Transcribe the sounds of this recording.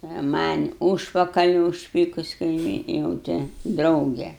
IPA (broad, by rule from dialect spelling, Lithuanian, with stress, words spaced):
ɐ mɐnʲ ˈuːʃpɐkɐlʲɪ ʊʃʲˈpʲiːkʊs kɐɪˈmʲiːn jɛʊ ˈtʲɛ ˈdrɐʊɡʲɛ